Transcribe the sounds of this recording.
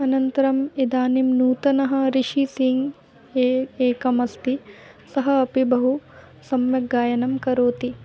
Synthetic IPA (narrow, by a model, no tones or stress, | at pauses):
ɐnɐnt̪ɐɾɐmid̪aːnimnuːt̪ɐnɐɦɐ̆ɾiʃisiŋɡ | eːkɐmɐst̪i | sɐɦɐɐpibɐɦu | sɐmjɐɡːaːjɐnɐmkɐɾoːt̪i